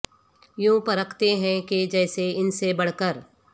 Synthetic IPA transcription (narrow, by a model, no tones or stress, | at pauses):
jũːpɐɾəkʰt̪eɦɛ̃ked͡ʒɛːseɪnsebɐɽ̤kəɾ